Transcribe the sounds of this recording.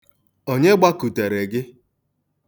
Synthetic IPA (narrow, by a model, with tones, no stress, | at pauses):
o˦ɲe˦ɡ͡ba˦ku˨te˨ɾe˨ɡɪ˦